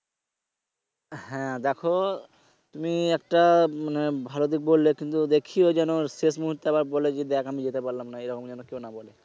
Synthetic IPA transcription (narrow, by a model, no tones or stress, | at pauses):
hɛ̃d̪ɛkʰo | t̪umiɛk̚ʈamanebʱalod̪ik̚bolːekint̪ud̪ekʰiod͡ʑɛnoʃeʃmuɦuɾt̪eabaɾbɔled͡ʑed̪ɛkamid͡ʑet̪epaɾlamnaejɾɔkomd͡ʑɛnokewnabɔle